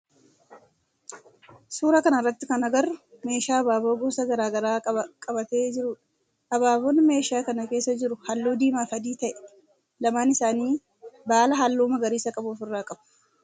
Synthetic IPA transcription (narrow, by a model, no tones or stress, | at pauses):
suːɾɐkɐnɐrːɐt̪ːɪkɐnɐɡɐrːʊme̞ːʃaːɐbaːboːɡoːsɐɡɐɾaːɡɐɾaːɐkʼɐbɐt̪e̞ːd͡ʒɪɾʊᶑ | ɐbaːboːnme̞ːʃaːkɐnɐke̞ːsːɐd͡ʒɪɾʊhɐlːoːd̪iːmaːfɐd̪iːt̪ɐʔɛ̥ | lɐmaːnɪsaːniː | baːlɐɦalːoːmɐɡɐɾiːsɐkʼɐbuːfɪrːaːkʼɐb̥ʊ̥